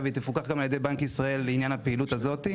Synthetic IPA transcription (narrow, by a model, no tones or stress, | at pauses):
veit̪ifukaχɡamaljed̪e̞jbankisʁae̞lːeinjanhapeilutazo̞t̪i